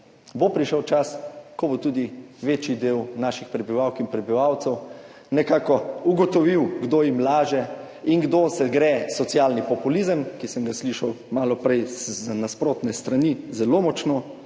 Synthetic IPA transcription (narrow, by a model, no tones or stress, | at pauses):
bopɾiʃəwt͡ʃaskɔbot̪uːd̪iʋeːt͡ʃid̪eːwnaːʃixpɾɛbiʋawkinpɾɛbiʋawt̪sɛw | nɛkaːkɔuɡɔt̪ɔʋiwɡd̪ojimlaːʒɛ | inɡd̪osɛɡɾɛsɔt̪sjaːlnipɔpulizəmkisəmɡasliʃaw | maːlɔpɾɛjznaspɾoːt̪nɛst̪ɾanizɛloːmɔt͡ʃno